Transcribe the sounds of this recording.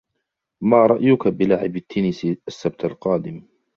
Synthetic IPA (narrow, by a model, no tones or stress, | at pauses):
maːɾˤɑʔjʊkabɪlaʕɪbat̪ːɪnɪsiʔasːab̚t̪alqɑːd̪ɪm